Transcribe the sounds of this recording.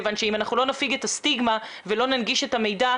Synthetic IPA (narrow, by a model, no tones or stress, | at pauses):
vanʃeimanaχnulo̞nafiɡetast̪iɡma | velo̞nanɡiʃe̞tame̞jda